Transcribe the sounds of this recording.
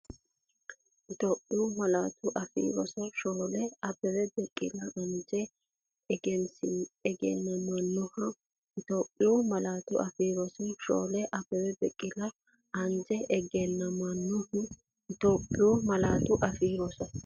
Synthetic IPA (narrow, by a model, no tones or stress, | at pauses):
ʔɪt̪oːpʼːɪjumɐlaːt̪ʰʊʔɐfḭːɾɔsɐʃoːlɛɐbːɛwɛbɛkʼːɪlɐʔɐnd͡ʒɛ | ɡɛnsɛɡɛ̰nːɐmɐnːʊhɐ | ɪt̪oːpʼːɪjumɐlaːt̪ʊʔɐfiːɾɔsɪʃo̰ːlɛʔɐbɛwɛbɛkʼːɪlɐ | ɐnd͡ʒɛʔɛɡɛnːɐmɐnːʊhʊ | ɪt̪oːpʼːɪjumɐlaːt̪ʊʔɐfiːɾɔsɐ